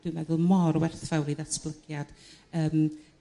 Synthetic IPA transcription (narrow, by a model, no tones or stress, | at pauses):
d̥ɪwnɛðʊlˠmɔɾwɛrθvawɾiðasb̥lˠəɡ̥jad̥əːm